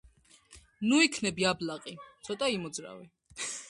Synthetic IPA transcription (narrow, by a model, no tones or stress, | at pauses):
nuikʰnɛbiablaqʼit̪sʰɔt̪ʼaimɔd̪zɾa̰vɛ